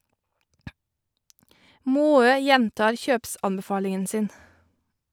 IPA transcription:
ˈmoːøː ˈjɛntɑːɹ ˈçøːpˌsɑnbəˌfɑːlɪŋən ˈsɪn

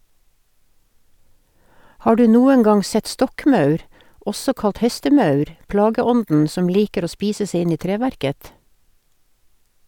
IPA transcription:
ˈhɑː ˈɖʉː ˈnuːə ˈŋɑŋ ˈsɛt ˈstɔkˌmɑʉɾ ˈɔsɔ ˈkɑlt ˈhɛstəˌmɑʉɾ ˈplɑːɡəˌɔndn̩ ˈsɔm ˈliːkəɾ ˈoː ˈspiːsə ˈsɛ ˈɪn ˈɪ ˈtɾeːʋæɾkət

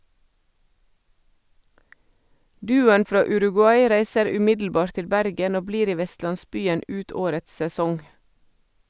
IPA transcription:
ˈdʉːʊən ˈfɾɑː ʉɾʉɡʉˈɑɪ ˈɾæɪsəɾ ʉˈmɪdl̩ˌbɑːɾt ˈtɪl ˈbæɾɡən ˈoː ˈbliːɾ ˈiː ˈʋɛstlɑnˌsbyːən ˈʉːt ˈoːɾəts sɛˈsɔŋ

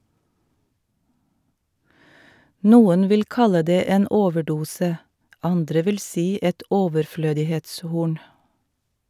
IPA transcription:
ˈnuːən ˈʋɪl ˈkɑlə ˈdeː ˈeːn ˈoːʋəˌɖuːsə ˈɑndɾə ˈʋɪl ˈsiː ˈɛt ɔʋəɾˈfløːdɪheːtsˌhuːɳ

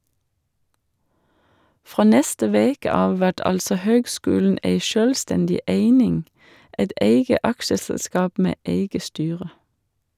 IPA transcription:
ˈfʁoː ˈnɛstə ˈʋeːkə ˈɑːʋ ˈʋæʈ ˈɑlsɔ ˈhøːɡˌskʉːln̩ ˈʔeɪ ˈʃøːlˌstɛndɪ ˈʔeɪnɪŋ ˈɛt ˈʔeɪɡə ˈʔɑkʃəsɛlˌskɑːp ˈmeː ˈʔeɪɡə ˈstyːʁə

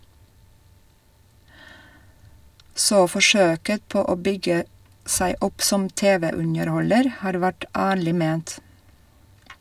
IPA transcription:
ˈsoː ˈfɔʃøːkə ˈpoː ˈoː ˈbʏɡə ˈsæɪ ˈʊp ˈsɔm ˈteːˌʋeː ˈʉnəɾˌhɔləɾ ˈhɑːɾ ˈʋæʈ ˈæːɭɪ ˈmeːnt

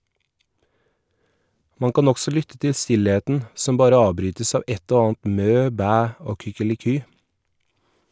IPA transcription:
ˈmɑŋ ˈkɑːn ˈɔɡsɔ ˈlʏtə ˈtɪ ˈstɪleːtn̩ ˈsɔm ˈbɑːɾə ˈɑːʋˌbɾyːtəs ˈɑː ˈɛt ˈoː ˈɑːɑnt ˈmøː ˈbæː ˈoː kʏkəlɪˈkyː

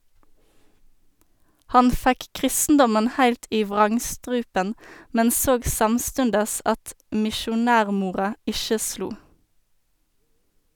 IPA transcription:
ˈhɑn ˈfæk ˈkʁɪstn̩dɔmən ˈhæɪlt ˈiː ˈʋʁɑŋˌstʁʉːpən ˈmɛn ˈsoːɡ ˈsɑmˌstʉndəs ˈɑt mɪʃʊˈnæːʁˌmuːʁɑ ˈɪʃə ˈsluː

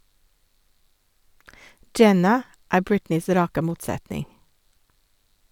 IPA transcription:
ˈd͡ʒɛnɑ ˈæː ˈbɹɪtnɪs ˈɾɑːkə ˈmuːtˌsætnɪŋ

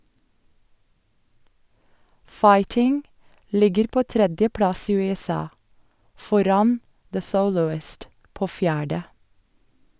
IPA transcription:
ˈfɑɪtɪŋ ˈlɪɡəɾ ˈpoː ˈtɾɛdjəˌpɽɑs ˈiː ˌʉːɛˈsɑː ˈfɔɾɑn ðə ˈsəʊlʊɪst ˈpoː ˈfjæːɖə

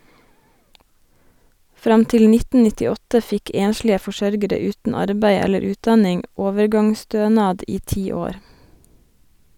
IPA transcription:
ˈfɾɑm ˈtɪl ˈnɪtn̩ nɪtɪˈɔtə ˈfɪk ˈeːnʃlɪə fɔˈʃœɾɡəɾə ˈʉːtn̩ ˈɑɾbæɪ ˈɛləɾ ˈʉːtˌdɑnɪŋ ˈoːʋəɾˌɡɑŋˌstøːnɑːd ˈiː ˈtiː ˈoːɾ

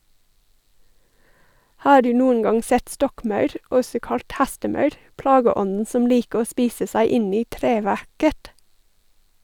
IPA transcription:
ˈhɑː ˈɖʉː ˈnuːən ˈɡɑŋ ˈsɛt ˈstɔkˌmɑʉɾ ˈɔsɔ ˈkɑlt ˈhæstəˌmɑʉɾ ˈplɑːɡəˌɔnn̩ ˈsɔm ˈliːkə ˈoː ˈspiːsə ˈsæɪ ˈɪn ˈiː ˈtɾeːˌʋæɾkət

